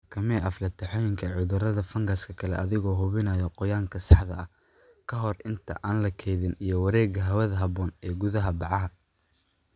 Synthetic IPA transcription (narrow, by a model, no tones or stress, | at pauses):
kʰɐmɛːʔɐflɐt̪ʰɛħɔːjɪŋkʰɐʕʊðʊrɐðɐfɐŋɡɐskʰɐkʰɐlɛʔɐðɪɣɔːɦʊβɪnɐːjɔqɔjaːŋkʰɐsɑħðɐɐ | kʰɐɦɔrɪnt̪ʰɐ̰ʔaːnlɐkʰɛjðɪnijɞwɐɾɛːɡɐɦɐwɐðɐɦɐβɔːnɛːɡʊðɐɦɐbɑʕɑɦɐ